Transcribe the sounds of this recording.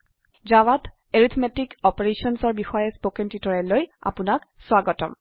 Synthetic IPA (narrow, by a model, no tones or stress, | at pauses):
zawat | eɹit̪ʰmetikɔpeɹesɔnsɔɹbixɔjɛspokɛntitɔɹɛloja̰punakswaɡɔtɔ̰m